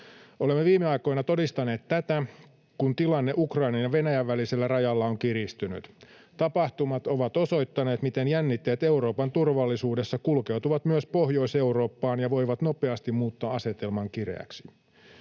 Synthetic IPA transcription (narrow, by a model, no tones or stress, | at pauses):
ʔolemːeʋiːmeɑjko̞inɑt̪o̞dist̪ɑne̞ːt̪t̪ːæt̪æ | kunt̪ilɑnːeʔukrɑinɑnjɑʋe̞næjæʋːæliselːærɑjɑlːɑoŋkiɾist̪yny̰t̪ | t̪ɑpɑht̪umɑt̪o̞ʋɑt̪o̞so̞jt̪ːɑne̞ːt̪mit̪enjænːit̪ːeːt̪e̞uɾo̞ːpɑnt̪urʋɑlːisuːde̞sːɑkulke̞wt̪uʋɑt̪myøspo̞hjo̞ise̞uɾo̞ːpːɑːnjɑʋo̞jʋɑt̪no̞peɑst̪immuːt̪ːɑɑse̞t̪e̞lmɑŋkirḛæ̰ksi̥